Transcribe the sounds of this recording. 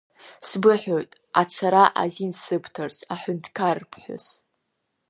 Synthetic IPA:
sbɨħojtʼ | at͡sʰaɾaʔa̰zinsɨbʰtʰɨrt͡sʰaħʊntʰkʰarpʰħʷʊ̰z

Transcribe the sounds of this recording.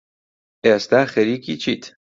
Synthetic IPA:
est̪æxeɾikit͡ʃʰit̪ʰ

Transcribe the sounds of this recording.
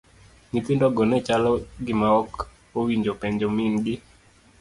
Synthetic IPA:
ŋit̪ɪndɔɡɔnɛt͡ʃalɔɡɪmaɔk | owiɲd͡ʒopɛɲd͡ʒɔmɪnɡɪ

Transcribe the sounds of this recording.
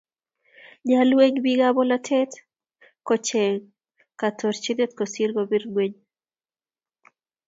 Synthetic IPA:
ɲalweŋbiɡabɔlatʰɛt | kɔt͡ʃɛ | kat̪ʰɔɾt͡ʃinet̪̚kosirɡobirɡweɲ

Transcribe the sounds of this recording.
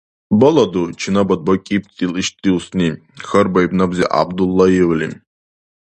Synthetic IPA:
bɐlɐd̪ut͡ʃʰinabɐd̪̚bɐkʲʼip̚t̪ʰʼiliʃt̪ʼːiusni | xɐɾbɐjbnabziʔa̰bd̪ulˠːɑjɛwlʲḭ

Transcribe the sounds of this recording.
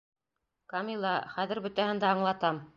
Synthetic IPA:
kɑmilˠːɑχæðɘ̆ɾbɵ̆t̪æhɘ̆nd̪æɑɴlˠɑt̪ɑm

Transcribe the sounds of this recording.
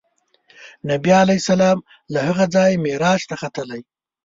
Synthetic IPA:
nabijalajsalɑm | lahaɣad͡zɑjmeɾɑʃt̪axat̪əlaj

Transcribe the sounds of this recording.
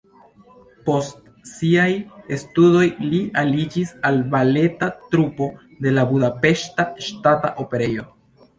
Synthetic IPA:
po̞st | siajestudo̞jlialid͡ʒisalbale̞tatɾupo | de̞labudape̞ʃtaʃtata̰ʔope̞ɾe̞jo̞

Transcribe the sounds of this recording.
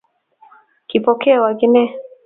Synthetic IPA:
kipɔkɛawaɡinɛ

